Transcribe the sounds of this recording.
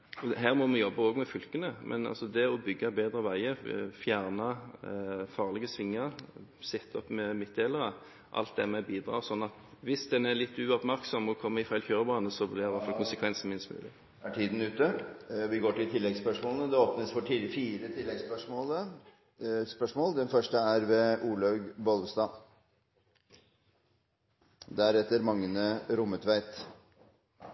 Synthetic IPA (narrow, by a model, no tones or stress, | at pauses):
ɔɦæːʁmɔmɛjɔbːəoːɡmɛfʏlkənəmʔɛ̰nɑ̰lsɔd̪ɛɔbʏɡːɑbeːd̪ɾəʋæɪəɾfjæːʁnɑ | fɑːʁlɛɡəsʋɪŋːəɾsɛt̪ʰːɔpːmɛmɪt̪̚d̪eːləɾə | ʔɑ̰lt̪̚d̪ɛmɛbiːd̪ɾʁɑ̰ːʁsɔnːɑt̪ʋɪsd̪ɛnæʁlɪt̪ːʉɔpmæɾksɔmɔkʰɔmːəɪfæɪlçøːʁəbʁɑnəsɔblɪɪʋæt̪fɑlkʰʊnsəkʰʋɛnsn̩mɪnst̪mʉ̰ːlɪ̰ | æʈʰiːd̪n̩ʉːt̪ːəʋɪɡoːʈɪlt̪ʰɪlːɛɡspœʂmoːlənəd̪ɛoːpnəsfɔʈifiːɾət̪ʰɪlːɛɡspœʂmoːlə | spœʂmoːld̪ɛnfœʂʈəæɾʋɛʔuːlɑʉɡbɔlʋsd̪ɑː | d̪æɾɛt̪ːəɾmɑŋːənəɾʊmːət̪ʰʋæɪt̪